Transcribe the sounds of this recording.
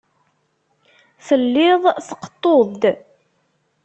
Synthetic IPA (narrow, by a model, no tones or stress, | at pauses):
θəlːɪðˤθə̥qːə̥t̪ˤːoðd̪